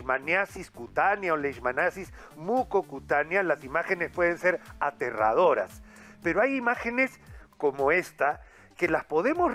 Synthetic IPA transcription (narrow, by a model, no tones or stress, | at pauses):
manjasiskut̪anjaoleʃmanasis | mukokut̪anjalasimaxe̞ne̞spwe̞ð̞e̞nse̞ɾat̪e̞ra̰ð̞o̞ɾa̰spe̞ɾo̞ajimaxe̞ne̞sko̞mo̞e̞st̪a | ke̞laspo̞ðe̞mo̞sr